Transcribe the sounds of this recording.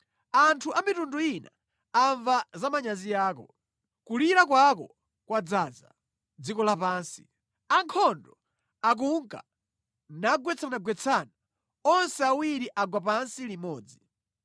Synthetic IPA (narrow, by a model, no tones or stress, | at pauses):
antʰuʔamitunduina̰ | aɱvazamaɲazijaːkɔ | kuliɾakwakɔ | kwad͡zaːza | d͡zikɔlapaːnsi̥ | aŋkʰɔndɔ | ak̬uŋka̰ | naɡwɛt͡sʰanaɡwɛt͡sʰana | ɔnsɛawiɾiʔaɡwapansilimɔːd͡zi